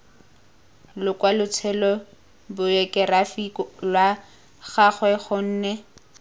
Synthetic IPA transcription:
lʊkwalʊt͡sʰɛlɔ | bʊjekʼɛrafikɔlwa | ɣaχwɛχʊn̩ːnɛ

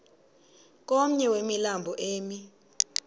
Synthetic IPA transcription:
k̬ʼom̩ɲɛwemilambʱɔʔeːmi

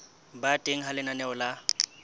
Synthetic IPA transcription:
batʼeŋ̩ɦalɪnanɛʊla

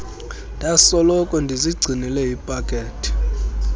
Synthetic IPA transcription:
ndʱasɔlɔkʼɔndʱiziɡ͡ǀʱinilɛjipʼakʼeːtʰʼi̥

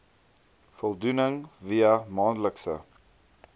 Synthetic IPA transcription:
fɔlˠdunəŋviəmɑːnləksə̰

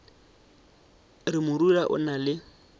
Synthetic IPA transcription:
rɪmʊɾulaʔʊ̰nalɪ

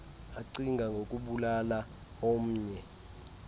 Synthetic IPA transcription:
aǀiŋɡʱaŋɡʱokʼuɓulala | om̩ːɲɛ

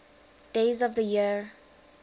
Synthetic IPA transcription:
d̥eɪzɔvðəjiɹ

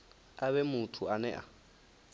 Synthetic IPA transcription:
aβɛmʊtʰuanɛʔa̰

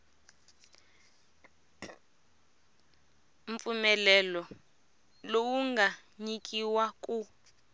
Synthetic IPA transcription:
ɱfumɛlɛlɔ | lowuŋɡaɲik̬ʼiwak̬ʼu

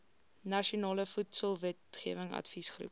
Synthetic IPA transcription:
nɐʃiunɑːləfutsəlˠvɛtχiəvəŋɐ̰tfisχrṵp̚

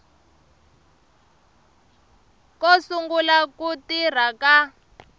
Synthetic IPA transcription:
kosuŋɡulakutir̤aka

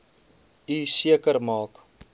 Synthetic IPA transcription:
ysiəkərmɑːk

